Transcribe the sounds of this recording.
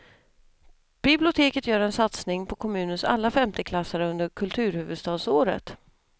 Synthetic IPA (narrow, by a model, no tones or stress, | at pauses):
b̥ɪblɪʊt̪ʰeːkət̪jœːɾɛnsat̪snɪŋpʰɔkʰɔmʉ̟ːnənsa̰lːafɛmt̪ʰəkʰlasaɾɵnd̪əɾkʰɵlt̪ʰʉ̟ːɾhʉ̟ːvɵd̪st̪ɑːd̪soːɾə̰t̪